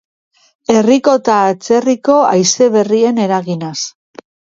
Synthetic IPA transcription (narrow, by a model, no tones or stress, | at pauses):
e̞riko̞t̪aːt͡se̞riko̞ajse̞βe̞rie̞ne̞ɾaɣinas